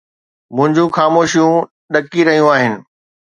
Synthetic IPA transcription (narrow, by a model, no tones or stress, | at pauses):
mʊ̃ɦɪ̃ɲd͡ʑũxaːmoːʃijũ | ɗɐkiɾɐɦijũaːɦɪnɪ̆